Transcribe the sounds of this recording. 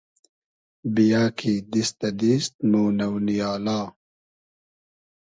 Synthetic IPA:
bijaːkʰid̪ist̪ɐd̪ist̪̚moːnɐwnijaːlaː

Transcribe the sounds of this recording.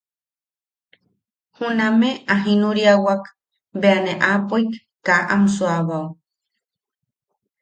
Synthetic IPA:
hunameaɦinuɾiawak | beaneʔapojkː | aʔamsuaβaw

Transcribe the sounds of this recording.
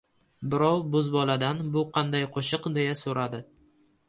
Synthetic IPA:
bɪɾɒwbʊzbɒlad̪anbʊqʰɑnd̪ajqʰoʃɨqd̪e̞jasoɾad̪ɪ

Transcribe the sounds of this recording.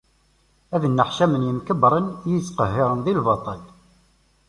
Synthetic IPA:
æðənːəħʃæmənjəmkəbɾˤənjəsqəhːɪɾənðilvɑt̪ˤɑl

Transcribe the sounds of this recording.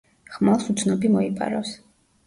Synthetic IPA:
χmalˠsut̪sʰnɔbimɔipʼa̰ɾaws

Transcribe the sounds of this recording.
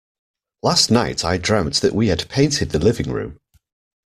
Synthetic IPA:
lasnaɪtʰaɪdɹãʊ̃mðəʔwiədpʰẽɪ̃ntʰɪd̪̚ðəlɪvɪ̃ŋɹʉ̰̃ːm

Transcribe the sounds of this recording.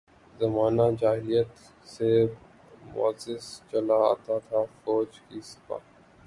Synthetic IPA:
zɐmaːnad͡ʒaːɦɪlijət̪ | se | mʊ̰əzɪst͡ʃɐlaa̰ːt̪at̪ʰafɔːd͡ʒkisɪ̥pa̰ː

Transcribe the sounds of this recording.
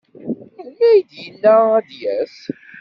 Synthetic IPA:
æjd̪jənːææd̪jæs

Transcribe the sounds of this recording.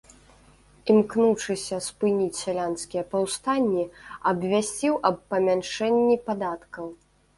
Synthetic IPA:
imknuʂɨsʲɐspɨnʲit͡sʲsʲalʲanskʲijɐpawst̪anʲːiɐbvʲasʲt͡sʲiwʔɐbːɐmʲanʂɛnʲːipad̪at̪kɐw

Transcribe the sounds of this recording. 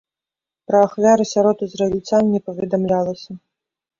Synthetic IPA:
pɾɐaxvʲaɾɨsʲaɾɔt̪ɨzrɐelʲt͡sʲannʲɛpɐvʲɛd̪amlʲalˠɐsʲɐ

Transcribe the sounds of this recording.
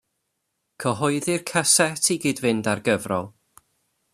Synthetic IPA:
kʰəɦɔɨðɪrkʰasɛtʰiɡiːdvɪndarɡəvrɔ̰lˠ

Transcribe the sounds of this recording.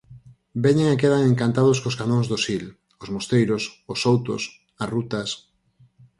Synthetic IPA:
beɲeŋakeðaŋeŋkant̪að̞ʊskoskanõŋzðosil | ʊzmost̪ejɾososowt̪o̰s | ɐrut̪ɐs

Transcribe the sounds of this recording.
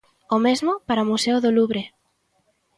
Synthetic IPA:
omezmʊpaɾaomuseʊðoluβɾe

